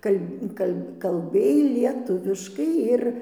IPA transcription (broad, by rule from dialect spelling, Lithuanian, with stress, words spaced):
ˈkɐlʲ kɐlʲ kɐlʲˈbʲeːj lʲiɛˈtʊʋʲɪʃkɐɪ ˈɪr